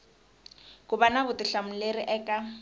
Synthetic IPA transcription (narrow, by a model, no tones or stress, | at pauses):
kuβanaβʊtʼiɬam̩leɾiʔɛːkʼa